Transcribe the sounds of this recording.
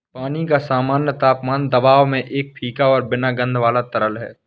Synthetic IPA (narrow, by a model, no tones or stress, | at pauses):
paːnikasaːmaːnjət̪aːpmaːnd̪ɐbaːʋmẽʔeːk̚pʰiːkaɔːɾbɪnaɡə̃nd̪ʱʋaːlat̪ɐɾəlɦɛ̰ː